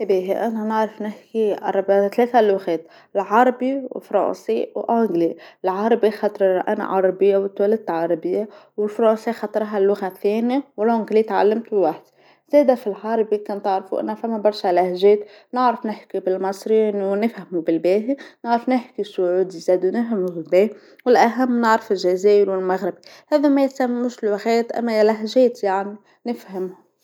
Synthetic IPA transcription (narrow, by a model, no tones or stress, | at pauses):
biːɦiʔananɪʕɾˤɑfnɪħkiʔɑ̰rˤɑbt̪leːθalʊɣeːt̪ | lʕɑɾˤɑbiwɪ̰lfɾˤɑ̰ːnsiwʔoŋɡlilʕɑɾˤɑbixɑt̪ˤɾˤʔa̰na̰ʕɑɾˤɑbɪjːawt̪wælat̪ʕɑɾˤɑbɪjːawɪlfɾˤɑːnsˤixɑt̪ˤɾˤɦalːʊɣaθeːnijawlʕʊŋɡlit̪ʕalːamt̪bwaħd̪ | z̥ɛːd̪æfilħɑːɾˤbikɑnt̪əʕɾfuʔɪ̰nːæfæmːæbɑɾˤʃalahʒɛːt̪ | nəʕɾɑfnɪħkibɪlmɑsˤɾinwnɪfhamubɪlbɛːɦinəʕɾɑfnɪħkisʊʕuːd̪izæːd̪wnɪfhamubɪlbɛːh | wɪlʔæɦæmːnɪʕɾɪfɪlʒæzɛːʔɪɾwɪlmæɣɾɪbihɛːðæmæjɪt̪sæmːæmːʊʃlwaɣɛːt̪ʔæ̰mːælaɦʒɛːt̪jaʕni | nɪfhamhʊ